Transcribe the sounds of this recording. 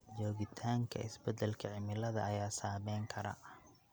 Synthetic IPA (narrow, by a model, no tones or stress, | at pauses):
d͡ʒɔːɣɪt̪ʰaːŋkʰɐ̰ʔɪ̰sbɛd̪ɛlkʰɐʕɪmɪlɐðɐjaːsaːβɛːŋkʰɐɾɐ̰